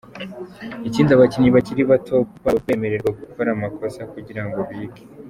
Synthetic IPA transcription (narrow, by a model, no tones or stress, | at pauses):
iciːndaβaciɲiβaciɾiβatʰo̞βakwe̞ːme̞ɾe̞ɾɡwaɡukoɾamako̞sakuɟiɾaŋɡo̞βiːɡe̥